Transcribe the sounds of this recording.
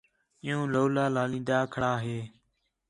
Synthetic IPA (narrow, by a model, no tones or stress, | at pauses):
ɪ̃jõːloːlaːlaːlĩːnd̪aːkʰəɽaːɦeː